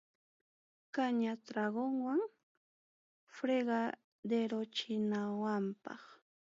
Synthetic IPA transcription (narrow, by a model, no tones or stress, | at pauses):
kaɲat̪ɾaɢoŋwaŋ | fɾeɢɑ | d̪eɾot͡ʃɪnawampɑ̰χ